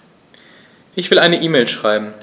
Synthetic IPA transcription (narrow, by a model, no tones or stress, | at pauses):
ʔɪçv̥ɪlʔaɪnəʔiːmeːlʃʁ̥aɪbm̩